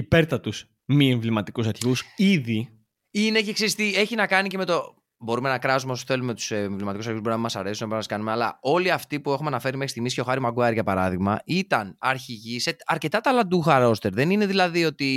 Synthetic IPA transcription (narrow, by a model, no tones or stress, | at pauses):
ipeɾt̪ɐt̪us | mieɱvlimɐt̪ikusɐɾçiusiði | inecekseɾist̪ie̞çinɐkɐnice̞me̞t̪o̞ | bo̞ɾume̞nɐkɾɐzumeos̬θe̞lume̞t̪u̥sɱvlimɐt̪ikus̬ɐɾçuzbo̞ɾinɐɐmɐsɐɾe̞sunɐbɾnɐmɐskɐnume̞ɐlɐo̞liɐft̪ipue̞xumeɐnɐfe̞ɾimexi̥st̪iɣmisco̞xɐɾimɐɡuɐɾʝɐpɐɾɐðiɣmɐ̰ʔit̪ɐnɐɾçiʝiseɐɾce̞t̪ɐt̪ɐlɐd̪uxɐɾo̞st̪e̞ɾðe̞nine̞ðilɐðio̞t̪i